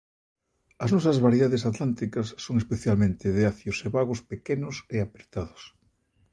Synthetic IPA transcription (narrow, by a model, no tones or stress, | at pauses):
ɐznɔsɐzβaɾjeðaðesat̪lant̪ikɐsːoŋespeθjalmẽnt̪ɪðeaθjʊseβaɣʊspekenʊseapɾet̪aðʊ̥s